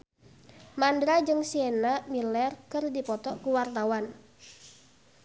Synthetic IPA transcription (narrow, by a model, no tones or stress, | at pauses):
mandɾad͡ʒɨŋsienamilɛrkɨrdipɔt̪ɔkuwart̪awan